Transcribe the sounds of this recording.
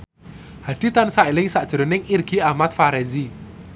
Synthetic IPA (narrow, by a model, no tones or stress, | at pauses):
haɖ̥i̤t̪ansailɪŋsaʔd̥ʒ̥əɾonɪŋirɡ̥i̤amat̪̚faɾɛzi